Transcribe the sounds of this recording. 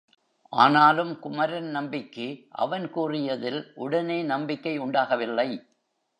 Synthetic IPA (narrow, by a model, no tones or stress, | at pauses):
ʔa̰ːnaːlɯmkʊmɐɾɐnnɐmbɪkːɯʔɐ̰ʋɐnkuːrɪjɐðɪlʔʊɽɐneːnɐmbɪkːɐɪʊɳɖaːɣɐʋɪlːɐɪ